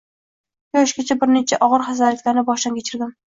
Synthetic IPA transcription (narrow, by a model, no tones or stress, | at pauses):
jɒʃɡʲat͡ʃʰabɪɾnet͡ʃʰaʔɒʁɨɾχazaɾat̪̚kʲanɪbɒʃd̪ankʲʰet͡ʃʰɪɾd̪ɪm